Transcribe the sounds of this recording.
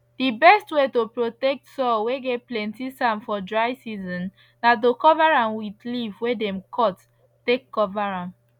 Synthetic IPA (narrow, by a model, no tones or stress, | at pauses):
d̥ibɛstwetopɹotɛk̚tsɔweɡɛtplɛ̃ntisãnfɔdɹaɪsizɔ̃n | dadokɔvaɹãnwidlivwedɛ̃mkʰɔtː | ekːɔvaɹãm